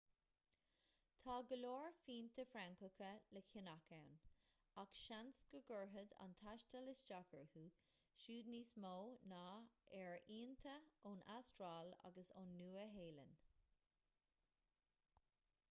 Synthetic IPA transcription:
t̪ʰɑːɡəloːɹfiːnt̪ʰəfɾaŋkəkʰələkʰɪnakawn | akʃansɡ̥əɡəɹɦəd̪a̰nt̪ʰaʃtəlɪsd͡ʒakʰəɹhuː | ʃuːd̪niːsmoːnaːɛɹiːnt̪ʰəoːnʔa̰stɹaːla̰ɡəso̰nːuːəɦeːlə̰n

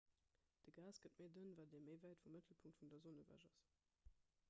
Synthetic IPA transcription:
d̥əɡaːsɡ̥ətmeɪdənvaːdeːɐmeɪvæɪtfumːətʰl̩pʰuŋktfundɐzonəvæ̰ʒɑ̰s

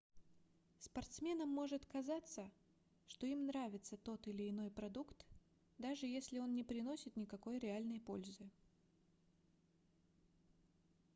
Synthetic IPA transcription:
spɐrt̪smʲe̞nəmːo̞ʐɨt̪kɐzat̪sə | ʂt̪o̞imnɾavʲɪt̪sət̪o̞t̪ɪlʲɪɪno̞jpɾɐd̪ukt̪ | d̪aʐɨjesʲlʲɪo̞nnʲɪpɾʲɪno̞sʲɪt̪nʲɪkɐko̞jɾʲɪalʲnəjpo̞lʲzɨ

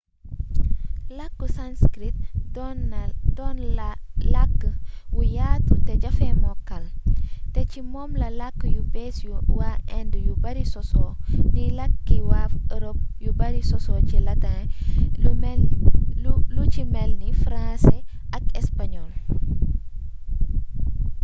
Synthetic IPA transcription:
lɐkːəsanskɾit̚dɔndɔnlakːəwujaːtutɛɟɐfɛmɔkɐltɛcimɔːmlɐlakːəjubɛːsjuwaɛndəjubɐɾisɔsɔːnilɐkːiwaəɾop̚jubɐɾisɔsɔːcilɐtã | mɛ | lucimɛlnifɾãsɛʔɐkɛspaɲɔl

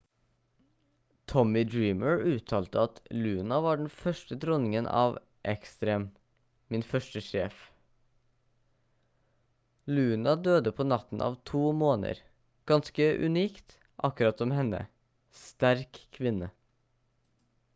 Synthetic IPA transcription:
t̪ʰɔmɪd̪ɹiːməɹʉːt̪ʰɑːlt̪əɑt̪lʉːnɑʋɑːɖɛn̩fœʃʈəd̪ɾɔnɪŋənʔɑ̰ːʋ | ʔɛkst̪ɾeːm | mɪnfœʃʈəʃeːf | lʉːnɑd̪øːd̪əpʰoːnɑt̪n̩ʔɑ̰ːʋt̪ʰuːmoːnə̰ɾ | ɡ̥ɑnskəʔʉ̰niːkt̪ | ʔɑkʉɾɑt̪ɔmhɛnə̰ | st̪æɾkʰːʋɪnə

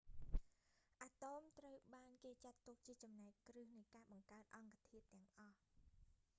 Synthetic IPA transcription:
ʔaːt̪oːmt̪rəwɓaːnkeːt͡ɕat̪ːuk̚t͡ɕiət͡ɕɑmnaɛk̚ːkrɨhnɨjkaːɓɑŋkaət̪̚ʔɑŋkat̪ʰiət̪ːɛ̆əŋʔɑh

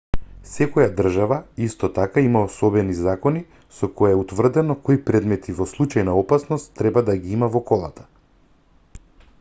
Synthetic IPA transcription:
sɛkɔjad̪r̩ʒavaist̪ɔt̪akaimaosɔbɛnizakɔni | sɔkɔjaɛut̪vr̩d̪ɛnɔkɔipɾɛd̪mɛt̪ʰivɔslˠut͡ʃajnaɔpasnɔst̪ːɾɛbad̪aɡiimavɔkɔlˠa̰t̪ḁ

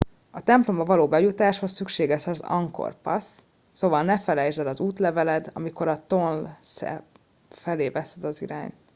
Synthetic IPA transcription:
ɒt̪ɛmplo̞mbɒvɒloːbɛjut̪aːʃho̞sːykʃeːɡɛʃɒzɒ̰ŋko̞̰rpɒ̰sː | oːvɒlnɛfɛlɛjzɛd̪ɒzuːt̪lɛvɛlɛd̪ɒ̰miko̞ɾɒt̪onlsɛ̰ | fɛleːvɛsɛd̪ɒzḭɾa̰ːɲt̪

